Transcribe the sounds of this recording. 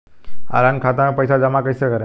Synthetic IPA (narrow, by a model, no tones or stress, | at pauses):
a̰ɾankʰat̪amẽpəjsad͡ʑəmakəjsekəɾe